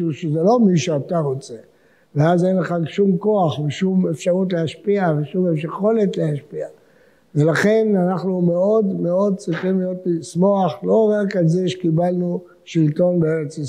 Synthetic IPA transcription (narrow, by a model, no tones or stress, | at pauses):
uʃezelo̞miʃeat̪aʁo̞t͡se | veazenleχaɡʃumko̞aχveʃumefʃaʁutleaʃpiaveʃumefʃaχo̞le̞tleaʃpia | velaχe̞nanaχnume̞o̞d̪me̞o̞d̪̚t͡sʁiχimlijo̞tlismo̞aχlo̞ʁakalzeʃe̥kibalnu | ʃilt̪o̞nbeeʁet͡si